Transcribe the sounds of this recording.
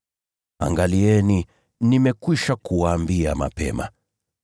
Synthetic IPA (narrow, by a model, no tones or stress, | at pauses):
a̰ŋɡaliɛni | nimɛkwiʃakuwaːmbiama̰pɛ̰ma̰